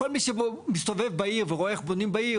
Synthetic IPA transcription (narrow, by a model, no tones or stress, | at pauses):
olmiʃebomist̪ovevbaiʁveʁoeχbonimbai